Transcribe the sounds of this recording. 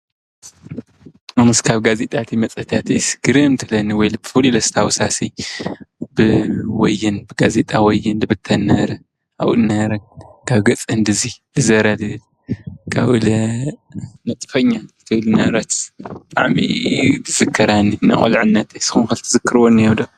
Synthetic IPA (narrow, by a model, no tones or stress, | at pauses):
ɨmɨskʰaβɡazet̪ʼat̪ʰimɐt͡sʼɐt̪ʰat̪ɨsɡɨɾɨmt̪ʰɨlɐnɨwɔjlbɨfɨlilɐst̪ʰawsasi | b̥ɨwɔjːɨnbɨɡazet̪ʼawɔjːɨnd̪ɨbɨt̪ʰːɐnɐɾɐ | a̰wɨ̰nɐɾɐkʰaβɡɐt͡sʼɐnd̪ɨzibɨzɐɾad̪ɨl | kʰa̰βɨlɐ | nɐt̪ʼfɐɲːaɨt̪ʰɨlnɐɾɐt̪bɨt̪ʼa̰ʕmḭt̪ʰɨz̥ɨkʰːɐɾaninɐ̰χʼo̰lʕɨnːɐt̪ɐjsɨ̥xunkɐlt̪ʰɨzɨkʰːɨɾwonːjɛwd̪o